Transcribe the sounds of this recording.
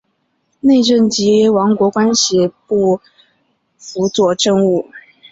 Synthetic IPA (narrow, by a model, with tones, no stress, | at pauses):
ne˥˧ɪʈ͡ʂə˥˩nt͡ɕi˧˥wɑ˧˥ŋkwɔ˧˥kwa˥nɕi˥˧˩pu˥˩ | fu˧˥t͡swɔ˥˧ʈ͡ʂə˥˧ŋu˥˩